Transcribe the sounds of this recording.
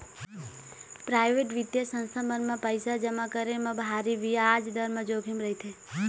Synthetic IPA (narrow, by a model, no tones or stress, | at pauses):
pɾaʋeʈʋid̪jasə̃nsʰamənmãpəjsad͡ʒəmãkəɾemãbʱaɾiʋiad͡ʒd̪əɾmə̃d͡ʒoɡʱimɾəɦit̪ʰe